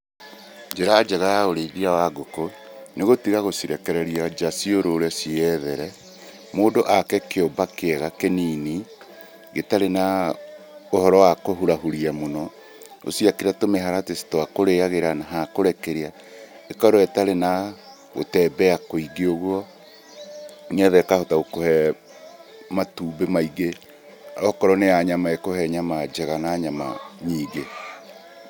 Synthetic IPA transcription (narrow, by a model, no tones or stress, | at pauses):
ɲd͡ʒeɾaːd͡ʒaɣajaoɾeðiawaɡoko | neɣotiɣaɣosiɾɛkɛɾɛɾiad͡ʒasioɾoːɾɛsiɛðɛɾɛ | moːdoʔakɛkeombakeɛɣakenini | ɡetaɾena | ohɔɾɔwakoɦuɾahuɾiamonɔ | o̰siakeɾatomeɦaɾatesi̥toakoɾeaɣeɾanaɦakoɾɛkeɾea | ekɔɾɔɛtaɾena | ɣo̰tɛbɛakoiɡioɣwɔ | nɛðɛkahotaɣokohɛ | matuːbemaiɡe | ɔkɔɾɔneaɲamaekohɛɲamad͡ʒɛɣanaɲama̰ɲiːɡe